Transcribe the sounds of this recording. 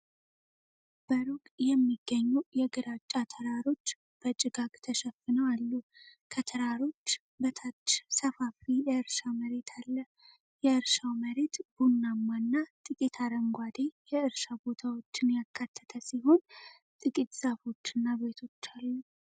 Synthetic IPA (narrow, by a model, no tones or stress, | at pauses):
b̥əɾukʼjɛmːiɡ̥ːəɲːujɛɡɨɾat͡ʃʼːat̪ʰəɾaɾo̞t͡ʃː | b̥ət͡ʃʼɪɡakt̪ʰəʃɛfɨnəwalːukʰət̪ʰəɾaɾo̞t͡ʃː | bət̪ʰat͡ʃːsəfafijɛɨɾʃaməɾe̞t̪ʰalːə | jɛɨɾʃawməɾe̞t̪b̥unːamːanːat̪ʼɨkʼit̪ʰaɾəŋɡʷad̪e̞jɛɨɾʃabo̞t̪ʰawo̞t͡ʃːɪnjakʰːat̪ʰːə̥t̪ʰəsiɦo̞n | t̪ʼɨkʼit̪z̥afo̞t͡ʃːɨnːabe̞t̪ʰo̞t͡ʃːalːu